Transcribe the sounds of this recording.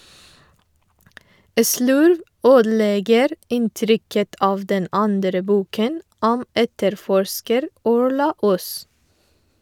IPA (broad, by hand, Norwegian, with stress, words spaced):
ə ˈslʉɾʋ ˈøːdl̩ˌeːɡəɾ ˈɪnˌtɾʏkət ˈɑːʋ ˈdɛn ˈɑndɾə ˈbuːkən ˈɔm ˈɛtəɾˌfɔɹʃkəɾ ˈɔɹɭɑ ˈʊs